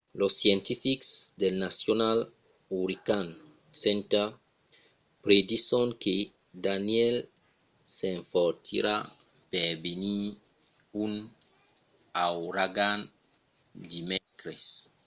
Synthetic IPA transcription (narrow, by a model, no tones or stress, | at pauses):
losːjent̪ifiksd̪elnasjonal | uɾikan | sent̪a | pɾed̪isoŋke | d̪anjel | seɱfoɾt̪ḭɾa | peɾbeni | un | awɾaɡan | d̪imekɾes